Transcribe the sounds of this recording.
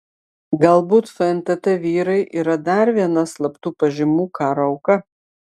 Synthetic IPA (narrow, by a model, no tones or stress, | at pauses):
ɡɐlˠbuːt̪fɐɛnt̪ɐt̪ʲɛʋʲiːɾɐɪʔiːɾɐd̪ɐɾʋʲiɛnɐslˠɐpt̪uːpɐʒʲɪmuːkʰɑːɾoɐʊkɐ